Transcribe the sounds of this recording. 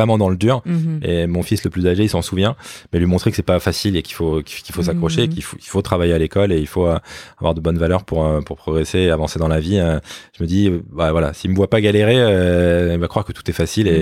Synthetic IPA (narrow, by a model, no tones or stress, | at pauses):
ʁɛmɑ̃d̪ɑ̃ləd̪yʁḛmɔ̃fisləplyzaʒeilsɑ̃suvjɛ̃mɛlɥimɔ̃t̪χekə̥sɛpafasilekʲi̥fokikilfos̬akχɔʃeːkilfoi̥lfot̪χavajealekɔleilfoøavwaʁd̪əbɔnvalœʁpuʁøpuʁpχɔɡʁeseːavɑ̃sed̪ɑ̃laviøʒ̥əməd̪ibavwala̰silməvwapaɡaleʁeøilvakχwaʁkət̪u̥t̪ɛfasile